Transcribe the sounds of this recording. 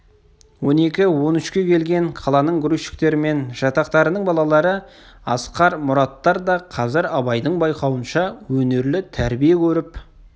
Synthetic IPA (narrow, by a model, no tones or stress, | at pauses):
wo̞ne̞kʲɪwo̞nʏʃkʲe̞kʲʰe̞lɡʲe̞ŋqʰɑlˠɑnəɴɡʲɾujʃɪ̥k̚t̪e̞ɾɪme̞nʒ̥ɑt̪ɑqt̪ɑɾənəɴbɑlˠɑlˠɑɾə | ɑ̰sqɑɾmʊɾɑt̪ːɑɾd̪ɑqʰɑzɪɾɑbɑjd̪əɴbɑjqɑwənʃɑwɵne̞ɾlɪt̪ʰæɾbijekʲʰɵɾɪp